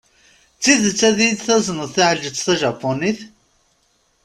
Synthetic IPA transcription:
t͡sːiðt͡sːæðid̪θæznəðˤθaʕəlʒət͡sːθæʒɑpːoniθ

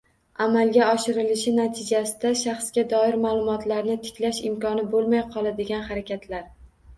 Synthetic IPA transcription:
amalˠɡʲaɒʃɪɾɪlɪʃɪnat̪ʰɪd͡ʒasɪd̪aʃaχsɡʲad̪ɒɪɾmaːlˠʊmɒt̪ʰlaɾnɪt̪ʰɪ̥kʲlaʃɪmkɒnɪbolˠmajqʰɒlˠad̪ɪɡʲanχaɾakʲʰat̪ʰlaɾ

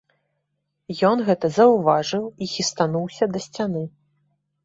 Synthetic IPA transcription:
jɔnɣɛt̪ɐzɐwvaʐɨwixʲist̪anuwsʲɐd̪ɐsʲt͡sʲanɨ

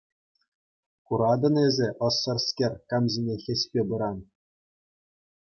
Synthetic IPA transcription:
kuɾɑd̪ɤ̆nezʲĕʔɤ̆sːɤ̆rskʲerʲkɑmzenʲexʲĕɕʲpʲebɯɾɑn

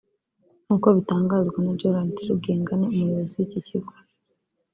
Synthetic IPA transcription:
nuːkoβitaːŋɡaːzɡwanad͡ʒoɾantiɾuɡe̞ːŋɡaneumujoβozijiciciɡaɾ

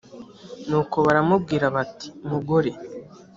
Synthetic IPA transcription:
nuːko̞βaɾamub̚ɡiːɾaβati̥muɡoɾe̞

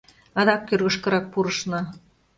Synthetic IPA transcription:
ɑd̪ɑk̚kørɣə̆ʃkɤ̆ɾɑk̚puɾɤʃnɑ

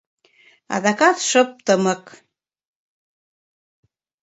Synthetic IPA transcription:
ɑ̰ðɑkɑt̪ʃɤ̆p̚t̪ɤ̆mɤ̆k

